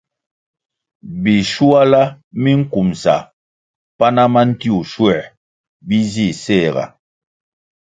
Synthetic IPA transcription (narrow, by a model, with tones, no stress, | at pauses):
bi˨ʃu˦a˦la˦ | mi˦ŋ̩˦ku˨msa̰˨ | pa˦na˦ma˦n̩˦ti˦u˨ʃwɛ˨ | bi˦zi˦˨sɛ˦˨ɣa̰˨